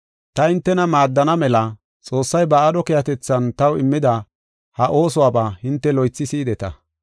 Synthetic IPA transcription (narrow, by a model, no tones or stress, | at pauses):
t̪ɐhɪnt̪ːɛnɐmaːd̪ːɐnɐmɛlɐ | t͡sʼo̞ːsːɐjbɐad̪ɔkɪjɐt̪ɛt͡sːɐnt̪ɐwɪmːɪd̪ɐ | hɐʔo̞ːsɔwaːbahɪnt̪ːɛlɔjt͡sːɪsiːd̪ɛt̪ɐ̰